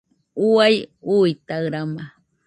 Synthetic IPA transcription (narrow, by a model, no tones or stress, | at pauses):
uajujt̪aɾama